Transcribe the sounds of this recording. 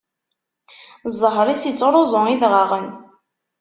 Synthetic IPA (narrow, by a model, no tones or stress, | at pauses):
zˤːəɦɾˤisit͡sːɾˤozˤʊiðʁaʁən